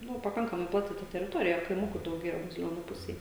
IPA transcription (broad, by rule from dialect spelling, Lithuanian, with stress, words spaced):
ˈnʊ pɐˈkɐŋkɐmɐɪ ˈplˠɑːtʲɪ tɐ tʲɛrʲɪˈtoːrʲɪjɛ kɐɪˈmʊkuː dɐʊˈɡʲeːjɛ bɐzʲɪˈlʲoːnuː ˈpʊsʲɛj